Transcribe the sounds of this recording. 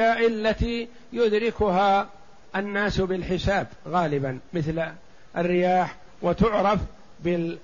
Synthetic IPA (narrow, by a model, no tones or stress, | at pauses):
aːʔɪlːat̪iː | jʊd̪ɾɪkʊɦaː | ʔanːaːsbɪlħɪsaːbɣaːlɪbanmɪθl | ʔarːɪjaːħ | wat̪ʊʕɾˤɑf | bɪ